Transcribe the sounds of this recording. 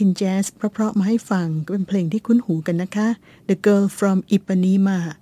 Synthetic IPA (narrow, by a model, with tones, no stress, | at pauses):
i˧nt͡ɕɛː˦˥spʰɾɔ˦˥pʰɾɔ˦˥ʔmaː˧ha˥˩jfa˧ŋkpe˧npʰleː˧ŋt̪ʰiː˥˩kʰu˦˥nhuː˩˦ka˧nːa˦˥kʰa˦˥ | də˧kɤː˧˥lfɾɔ˧mʔi˨˩pːa˧niː˧˥maː˧